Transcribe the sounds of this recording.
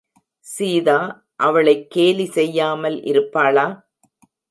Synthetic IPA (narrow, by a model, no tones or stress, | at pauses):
siːðaː | ʔɐʋɐɭɐɪkːeːlisɛjːaːmɐlʔɪ̰ɾɯpːaːɭaː